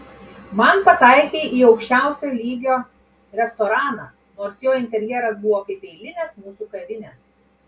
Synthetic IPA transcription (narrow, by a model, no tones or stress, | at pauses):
mɐnpɐt̪ɐˑɪkʲeːiːɒʊkʃʲt͡ʃʲæˑʊsʲolʲiːɡʲoː | ɾʲɛst̪ɔɾɑːnɑː | noːɾsjoːɪnʲt̪ʲɛɾʲjɛɾɐs̬bʊʋoːkɐɪpɛɪlʲɪnʲɛsmuːsuːkɐʋʲɪnʲɛs